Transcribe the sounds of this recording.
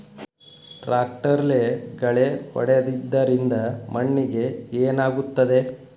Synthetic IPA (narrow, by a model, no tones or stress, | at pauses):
ʈɾaːk̚ʈɐɾleɡɐɭehɔ̰ɽeɐd̪id̪ːɐɾind̪ɐmɐɳːiɡe̞eːnaːɡut̪ːɐd̪e̞